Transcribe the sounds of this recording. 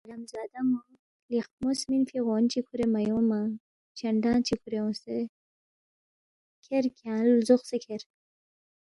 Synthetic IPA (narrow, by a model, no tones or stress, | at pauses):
ɾamzɑːd̪amo | lixmosminfiɣont͡ʃikʰuɾemajomã | t͡ʃɐɳɖãːt͡ʃikʰuɾeõse | kʰeɾkʰjãːlzoxsekʰeɾ